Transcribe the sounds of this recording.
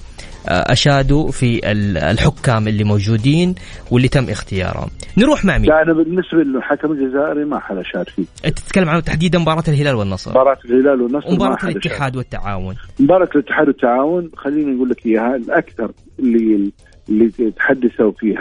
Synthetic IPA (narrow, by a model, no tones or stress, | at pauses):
ʔa̰ʃaːd̪ufiʔɪ̰llħʊkːaːmʔɪlːimowd͡ʒuːd̪iːnwɪlːit̪amːʔɪxt̪ɪjɑ̰ːɾˤha̰mnɾuːħmaʕmiʔnabɪnːɪsbalħakamɪld͡ʒazaːʔɪɾimaħad̪ʔaʃaːd̪fiːʔt̪ɪ̥t̪kalːamʕant̪aħd̪iːd̪anmbɑːɾˤɑːt̪ɪlɦɪlaːlwɪnːɑsˤbɑːɾˤɑːt̪ɪlhɪlaːlwɪnːɑswmbɑɾaɑalɪːɪħaːd̪wɪt̪ːaʕaːwʊnmbɑːɾˤɑklɪt̪ːɪ̥ħaːd̪wɪt̪ːaʕaːwʊnxalːiːnanɡuːlːakɪjːahalʔakθɑɾˤ | ɪlːi | ɪlːit̪ħad̪ːɪθawfiːha